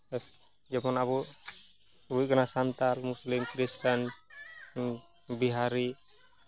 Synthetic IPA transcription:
d͡ʒɛmɔnaβu | buj̚kanasant̪almuslimkɾisʈan | biɦaɾi

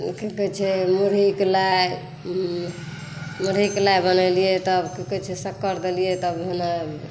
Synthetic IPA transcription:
kikət͡ʃʰɛmuɾiklaj | muɾiklajbənəlijet̪əbkikət͡ʃʰɛsəkːəɾd̪elijet̪əbna

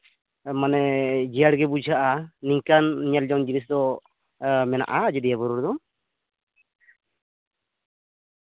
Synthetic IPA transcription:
manɛd͡ʒijaɽɡɛbud͡ʒʱaʔaniɲkanɲald͡ʒɔŋd͡ʒinis̬d̪ɔ | mɛna̰ʔad͡ʒɛd̪ɛjabəɾuɾd̪ɔ

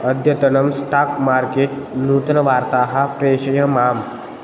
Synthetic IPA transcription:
ɐd̪ʱjɐt̪ɐnɐmsʈaːkmaːɾkeːʈ̚nuːt̪ɐnɐʋaːɾt̪aːɦɐpɾeːɕɐjɐmaːm

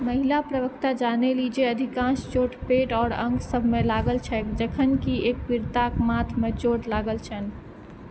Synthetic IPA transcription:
məɦilapɾəʋəkt̪ad͡ʒanelid͡ʒeəd̪ʱikãst͡ʃoʈpeʈɔːɾə̃ŋɡsəbʱmelaɡəlt͡ʃʰɛkd͡ʒəkʰənkieːk̚piɾt̪akmat̪ʰmet͡ʃoʈlaɡəlt͡ʃʰən

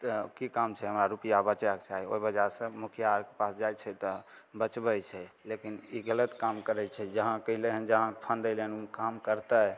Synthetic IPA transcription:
t̪kikamt͡ʃʰɛɦəmɾaɾupijabət͡ʃake̥t͡ʃaɦio̰ibəd͡ʒaɾsə̃mukʰjaɾke̥pasd͡ʒajt͡ʃʰɛt̪ɔ | bət͡ʃbɛt͡ʃʰɛlekiniɡələt̪kamkəɾɛt͡ʃʰɛd͡ʒəɦãkəɦileɦə̃nd͡ʒəɦãpʰənd̪əlenumkamkəɾt̪ɛ

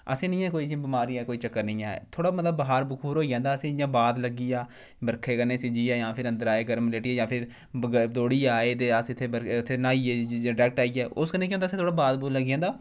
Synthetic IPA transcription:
ə̰sĩːnĩːɛːkoːiːbɪmaːɾiːɛːkoːiːt͡ʃəkːəɾnĩːɛ̰ːt̪ʰoːɽaːmət̪ləbːəɦaːɾbʊkʰuːɾɦoːijãːnd̪aːəsĩːjãːbaːd̪ləɡiːjaː | bəɾkʰeːkənːeːsɪd͡ʒiːɛːjãːpʰɪɾə̃nd̪əɾaːeːɡəɾmleːʈiːɛːjãːpʰɪɾ | d̪oːɽiːaːeːd̪eːaːst̪ʰːeːbəɾt̪ʰːeːnaːiːɛɖɛːk̚ʈaːiːɛːʔʊskəɾneːk̬jõːnd̪asẽt̪ʰoːɽaːbaːd̪buːɾləɡjãːd̪aː

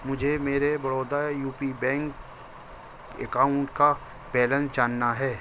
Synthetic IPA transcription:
mʊd͡ʒʱemeːɾebɐɽoːd̪ajuːpibɛ̃ːŋk | ḛkaːʊɳʈka | pɛːlə̃nsd͡ʒaːnːaɦɛː

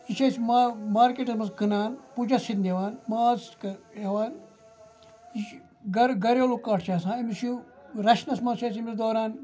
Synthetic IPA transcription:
iʃɐsmamaːɾkeːʈɐsmɐskɨnaːnpud͡ʒɐsit̪nd̪ʲeʋaːnmaːskeʋaːn | i | ɡɐɾɡɐɾeːlukaːʈʰt͡ʃʰaːsãːimisuɾɐʃnɐsmɐʃɐsimid̪oːɾaːn

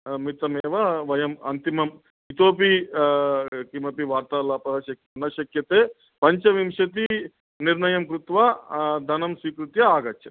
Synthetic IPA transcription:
mit̪ɐmeːʋɐʋɐjɐmɐ̰nt̪imɐm | it̪oːpi | kimɐpiʋaːɾt̪aːlaːpɐɐʃɐkɐnɐʃɐkjɐt̪eː | pɐɲt͡ʃɐʋimʃɐt̪i | niɾnɐjɐmkɾut̪ʋad̪ʱɐnɐmsʋiːkɾut̪jɐaːɡɐt̪jɐ

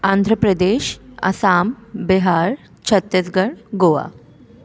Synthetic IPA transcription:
and̪ʱɾəpɾəd̪eɕə̰sambiɦaɾ | t͡ɕʰət̪ːesɡəɽɡoʋa̰

